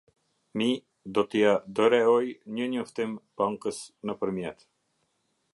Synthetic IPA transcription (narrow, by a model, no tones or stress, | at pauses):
mi | d̪ɔt̪ijad̪əɾɛɔjɲəɲɔft̪ɛmpaŋkəsnapəɾmjɛt̪